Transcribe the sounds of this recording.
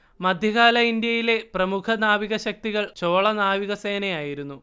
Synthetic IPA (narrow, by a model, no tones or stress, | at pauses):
mɐd̪ʱjɐɣaːlɐind̪jɐjile̞prɐmukʰɐnaːʋiɣɐɕɐk̚t̪iɣɐɭt͡ɕo̞ːɭɐnaːʋiɣɐse̞ːnɐjaːjiɾunːu